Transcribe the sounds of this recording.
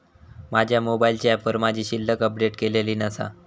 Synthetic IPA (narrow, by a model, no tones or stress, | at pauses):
mad͡ʑʱjamobailt͡ɕiæpʋəɾmad͡ʑʱiːɕilːəkəp̚ɖeʈkeleliːnəsa̰